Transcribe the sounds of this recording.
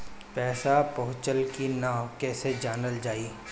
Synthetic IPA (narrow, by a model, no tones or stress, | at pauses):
pɛːsapɐɦʊ̃t͡ʃəlkinaːkɛːsed͡ʒaːnəld͡ʒaːiː